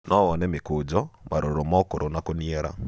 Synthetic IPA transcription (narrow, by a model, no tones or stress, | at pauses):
nɔwɔnɛmekod͡ʒɔmaɾoɾomɔkoɾonakoniɛɾa̰